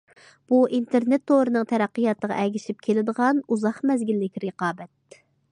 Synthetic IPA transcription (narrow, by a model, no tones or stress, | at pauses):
b̥uʔint̪ʰeɾnet̪ʰːoɾɨnɨŋt̪ʰɛɾæqːijɑt̪əʁɑ̰ʔɛɡʲiʃip̚kʲʰelɪd̪əʁɑnuzɑχmɛzɡʲilːɪkʲɾɨqɑːbɛt̪̚